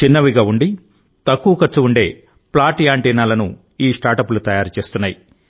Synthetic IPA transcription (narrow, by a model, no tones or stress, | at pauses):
t͡ʃinːɐʋiɡaːuɳɖi | t̪ɐkːuʋɐkɐt͡ʃuuɳɖe̞̰ː | plaːʈijaːɳʈɛːnaːlɐnṵ | iːʂʈaːɾʈɐpulut̪ɐjaːɾt͡ʃe̞ːst̪unːaːji